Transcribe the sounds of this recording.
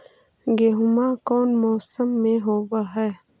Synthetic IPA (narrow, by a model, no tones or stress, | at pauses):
ɡeɦʊmaːkɔːnmɔːsəmːẽɦoːwaɦɛː